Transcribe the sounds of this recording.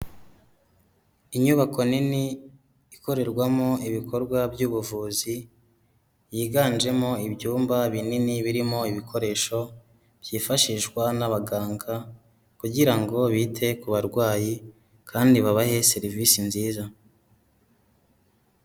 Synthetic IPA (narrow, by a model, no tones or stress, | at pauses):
iɲuβako̞niniː | ko̞ɾe̞ɾɡwamo̞iβikʰo̞ɾɡwabjuːβuvuːzi | jiːɡaːnd͡ʒe̞mo̞ibɟuːmbaβininiβiɾimo̞iβikʰo̞ɾe̞ʃo̞ | b̥jiːfaʃiʒɡwanaβaɡaːŋɡa | kuɟiɾaŋɡo̞βitʰe̞kuβaɾɡwaːji | kʰaːndiβaβahe̞se̞ɾiviːsinziːza